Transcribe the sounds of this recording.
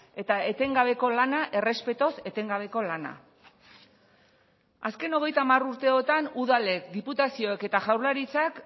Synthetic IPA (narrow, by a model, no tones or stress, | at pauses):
e̞t̪aet̪e̞ŋɡaβ̞e̞ko̞lanaʔe̞re̞spe̞t̪o̞se̞t̪e̞ŋɡaβ̞e̞ko̞lana̰ | a̰ske̞no̞ɣ̞e̞jt̪aːmaruɾt̪e̞ot̪anuð̞ale̞kd̪iput̪asio̞e̞ke̞t̪aʝawɾlaɾit͡sak